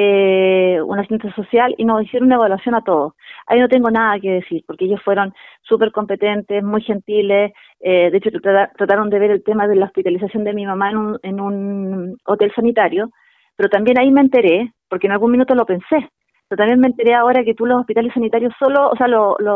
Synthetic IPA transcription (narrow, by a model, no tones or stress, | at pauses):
e | ṵnasi̥st̪ensjasosjalḭnosisjeɾonaβalasjo̞nat̪o̞ðosa̰ino̞t̪e̞ŋɡo̞naðakeðesiɾpo̞ɾkeejosfwe̞ɾo̞nsupe̞ɾko̞mpe̞t̪ent̪esmujxe̞nt̪iles | eðeet͡ʃoat̪ɾat̪aɾond̪e̞βe̞ɾelt̪emaðelaohpit̪alis̬asjo̞nd̪emimamaenunenun | ot̪elsanit̪aɾjo | peɾo̞t̪ambje̞naimeːnt̪e̞ɾepoɾkeːnalɣunminut̪o̞lo̞pe̞nse | peɾot̪ambjenment̪e̞ɾeao̞ɾaket̪ulosohpit̪alesːanit̪aɾjossolo̰ːsealolo